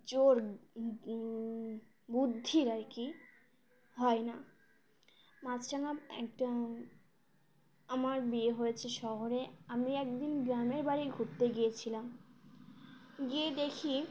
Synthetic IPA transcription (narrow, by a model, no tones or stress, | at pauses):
d͡ʑoɾ | bud̪ʱːiɾaɾki | ɦɔena | mat͡ɕʰʈanaɛ̰kʈa | amaɾbieɦojet͡ɕʰeʃɔɦoɾeamiɛk̚d̪inɡɾameɾbaɾiɡʱuɾt̪eɡijet͡ɕʰilam | ɡied̪ekʰi